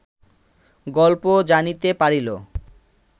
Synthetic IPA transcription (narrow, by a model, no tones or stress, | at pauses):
ɡɔlpod͡ʑanit̪epaɾilo